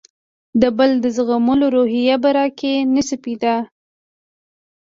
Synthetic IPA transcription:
d̪əbəld̪əzɣaməloɾoɦijabaɾɑkenəsəpid̪a

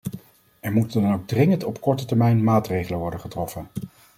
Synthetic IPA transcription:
ɛɹmutəndɑnowɡ̚drɪŋəntɔpkɔɹtətɛɹmɛjnmaːtrejχələnʋɔɹdəχətrɔfən

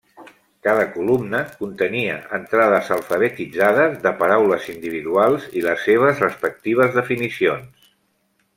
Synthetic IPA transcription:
kaðəkulumnəkunt̪əniə̰ənt̪ɾaðəzəlˠfəβ̞ət̪id͡zaðəzðəpəɾawləzind̪iβ̞iðualˠziləsːeβ̞əzrəspək̚t̪iβ̞əzðəfinisions

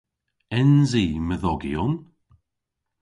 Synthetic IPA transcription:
ɛnziːməðɔɡiʊn

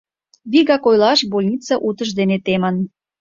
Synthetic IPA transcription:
βiɣɑkojlɑʃbolʲnʲit͡sɑʔut̪ə̆ʃd̪enet̪emə̆n

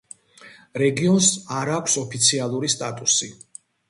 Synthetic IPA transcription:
ɾɛɡiɔnsaɾakʷʰsɔpʰit̪sʰialˠuɾist̪ʼat̪ʼusi

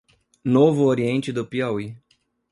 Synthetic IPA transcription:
novʊoɾiẽnt͡ʃɪd̪ʊpiawi

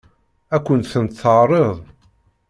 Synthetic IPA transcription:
ækʷːənt̪θənt̪θəʕrˤəðˤ

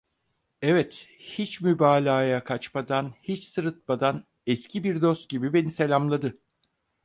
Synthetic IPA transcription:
ɛvɛt̪hit͡ʃmybaːlʲaːjakʰat͡ʃmad̪anhit͡ʃsɯɾɯt̪̚mad̪an | ɛscʰibiɾd̪o̞st̪̚ɟibibe̞nise̞lʲamlˠad̪ɯ

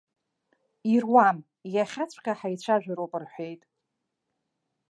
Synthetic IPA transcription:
irwam | jaχʲat͡ɕʷʰkʲʰʼaħajt͡ɕʷʰaʒᶣʷaɾowpʼɨrħʷejtʼ

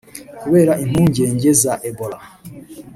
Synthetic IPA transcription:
kuβe̞ːɾaʔin̥huːɲɟe̞ːɲɟe̞zaʔebola

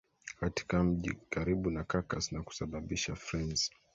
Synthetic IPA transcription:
kati̥kam̩ʄḭkaɾiɓunakakasnaku̥saɓaɓiʃafɾɛnz

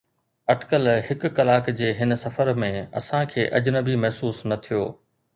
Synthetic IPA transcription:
ɐʈkəlhɪkʊkɐlaːkd͡ʑeːɦɪnsɐfəɾmẽɐ̰sãkʰeːʔɐd͡ʑnəbimɐɦsuːsnɐt̪ʰijoː

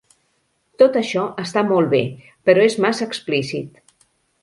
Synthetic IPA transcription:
t̪ot̪əʃɔəst̪amɔlˠβḛ | pəɾɔezmasəksplisit̪

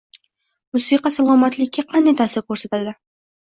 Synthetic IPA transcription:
mʊsiqɑsalˠʁɑmat̪lɪkʲʰːaqʰɑnd̪ajt̪ʰaːsɪɾkʰɵɾsat̪ad̪ɪ

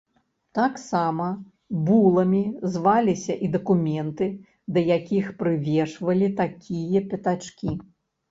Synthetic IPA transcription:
t̪aksamɐ | bulˠɐmʲizvalʲisʲɐʔid̪ɐkumʲɛnt̪ɨ | d̪ɐjakʲixpɾɨvʲɛʂvɐlʲit̪akʲʰijɐpʲɐt̪at͡ʂkʲi

